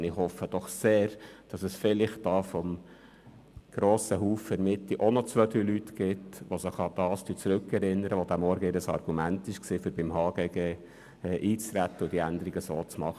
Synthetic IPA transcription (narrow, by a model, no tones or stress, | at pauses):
ɪχhɔfːəd̥ɔχseːɾd̥ɑsəsfɪlɪχt̚d̥ɑːfɔm | ɡ̥ɾoːsəɦuːfəɾmɪt̪ːiʔonɔt͡sʋød̪ɾyːlytɡ̥ɪtʋosəχɑd̪̥ɑːsd̥yt͡sɾʉkːɛɾɪnːəɾəʋod̥̪æmɔɾɡəɪːɾəsɑ̰rɡ̥umæntɪʃksiːfʏɾb̥ɪmhɑːɡ̥eːɡeː | ɛːʔiːt͡sɾæt̪ːəʊd̥iænd̪əɾiɡəsoːt͡smɑχə